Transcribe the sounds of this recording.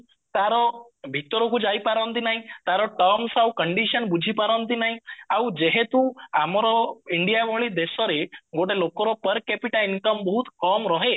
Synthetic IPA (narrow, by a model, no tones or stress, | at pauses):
t̪aɾɔ | bʱit̪ɾɔkud͡ʑaipaɾənt̪̬inaɦit̪aɾɔʈɔmsawkəɳɖiɕənbud͡ʑʱipaɾənt̪inaɦiawd͡ʑeɦẽt̪ũamɾɔiɳɖijamoɭid̪esɔɾeɡoɽelokɔɾɔpəɾkɛpiʈainkəmbəɦut̪kɔmɾɔɦe